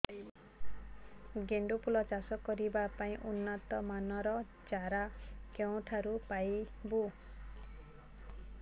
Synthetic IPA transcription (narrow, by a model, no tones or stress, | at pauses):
ɡeɳɖupulɔt͡ʃasɔkɔɾibapaĩʔunːat̪ɔmanɔɾɔ | t͡ʃaɾakew̃ʈʰaɾupajbu